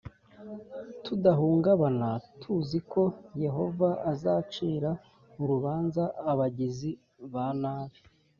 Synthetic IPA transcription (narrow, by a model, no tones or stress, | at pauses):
tudaɦuːŋɡaβanatʰuziko̞je̞ɦo̞vaːzaːt͡ʃiːɾa | uɾuβaːnzaːβaɟizi | βanaːβi